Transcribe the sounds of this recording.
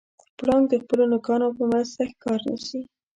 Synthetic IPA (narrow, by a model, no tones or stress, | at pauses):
pɽɑŋɡd̪əxpəlonʊkɑnopəmast̪axkɑɾnə̰ʃi